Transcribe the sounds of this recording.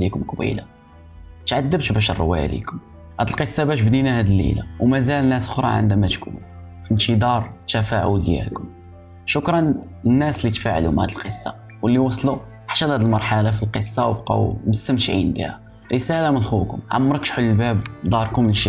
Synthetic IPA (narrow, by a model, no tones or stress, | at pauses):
likʊmqbḭla̰ | t̪ʕad̪ːəbt̪bæʃə̰rˤːo̰wːæ̰jlḭkʊm | hæd̪əlqəsˤːɑbæʃ̬bd̪inæhæd̪əlːḭla̰wmæzælnːæsʊxɾˤɑ̰ʕə̰nd̪æmæt̪kṵnu | finʃid̪ɑɾˤt̪æfaʕṵljæ̰kʊm | ʃʊkɾˤɑn | ənːæslːit̪faʕlumhæ̰d̪əlqəsːɑ̰wəlːiwɑsˤlu | ħḁʃælhæd̪əlmɑɾˤħalafilqəsˤːɑwbqɑ̰wməst̪ːəmʃʕḭnbḭhæ̰ | ɾəsælamənxuwkʊ̰mʕa̰mːɾˤəkʃħulːəlbæbd̪ˤɑɾˤkʊmʃi